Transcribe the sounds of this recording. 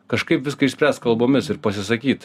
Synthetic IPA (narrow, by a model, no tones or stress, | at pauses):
kɐʃkɐɪpʋʲɪskɐɪʃsʲpʲɾʲæːst̪kɐlˠboːmʲɪsɪɾpɐsʲɪsɐkʲiːt̪